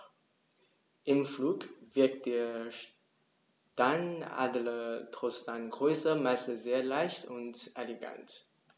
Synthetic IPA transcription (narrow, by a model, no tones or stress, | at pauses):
ʔɪmfluːkv̥ɪɐk̚t̚d̥eːɐʃ | taɪna̰ːdlətʁ̥ostaɪnɡʁøːsɐmaɪsəzeːɐlaɪçtʊntʔeleɡa̰nt